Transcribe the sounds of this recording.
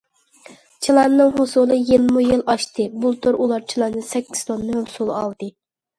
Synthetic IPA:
t͡ʃʰilˠɑnːɨŋɦosulˠɨjelmujilˠʔɑʃt̪ɨbulˠt̪ʰoɾulˠɑɾt͡ʃʰilˠɑnːɨsɛkʲːi̥z̥t̪ʰonːuʊsulˠɑlˠd̪ɨ

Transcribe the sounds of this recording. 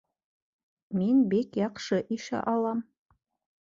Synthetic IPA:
menbekjɑqʃɤʔiʃæ̰ʔɑlˠɑm

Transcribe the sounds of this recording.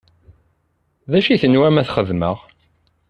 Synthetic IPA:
ðæʃiθənwæmæθχəðməʁ

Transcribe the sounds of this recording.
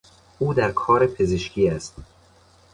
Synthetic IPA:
ʔuːd̪æɾkʰɒːɾepʰe̞ze̞ʃcʰiːæst̪

